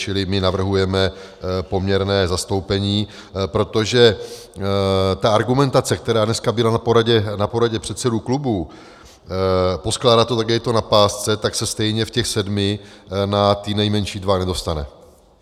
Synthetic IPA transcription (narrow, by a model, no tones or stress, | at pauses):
t͡ʃɪlɪmɪnavr̩ɦujɛmɛ | po̞mɲɛɾnɛːzast̪o̞wpɛɲiː | pɾo̞t̪o̞ʒɛ | t̪aaɾɡumɛnt̪at͡sɛkt̪ɛɾaːdnɛskabɪlanapo̞ɾaɟɛnapo̞ɾaɟɛpr̥ɛt̪sɛduklubuː | posklaːdat̪oaɡɛɪt̪o̞napaːst͡sɛt̪aksɛst̪ɛjɲɛfcɛxsɛdmɪ | nat̪ɪnɛjmɛnʃiːdvanɛdo̞st̪anɛ